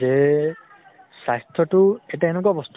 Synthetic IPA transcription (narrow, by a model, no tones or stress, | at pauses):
e | sajst̪ʰɔʈueʈaenek̬ɔbɔst̪